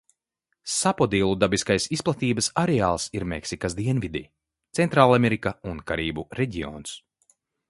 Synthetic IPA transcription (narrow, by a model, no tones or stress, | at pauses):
sapɔd̪iːlˠud̪abiskajsisplˠat̪iːbɐsaɾɛaːlˠsiɾmeksikasd̪iɛnvid̪i | t̪sɛnt̪ɾaːlˠamʲeɾikaunkaɾiːbuɾɛɟiɔ̰ːns